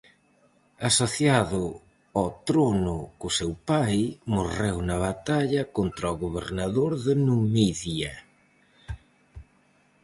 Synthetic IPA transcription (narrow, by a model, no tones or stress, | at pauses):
asoθjaðʊ | at̪ɾonʊkʊsewpajmorewnɐβ̞at̪aʎɐkont̪ɾaɔɣoβ̞ḛɾnaðoɾðɪnumiðjɐ